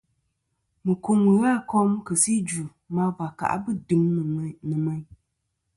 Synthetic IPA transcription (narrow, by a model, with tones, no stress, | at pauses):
mɨ˨ku˦mɨ˨ɣa˦˨kɔ˦mkɨ˨si˦d͡ʒu˨ | ma˦va˨ka̰˨ʔbɨ˦dɨ˨˦m˨nɨ˨mɛ˦ɲ